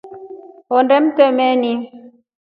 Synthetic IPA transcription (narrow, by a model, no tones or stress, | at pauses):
ɔndɛm̩tɛmɛni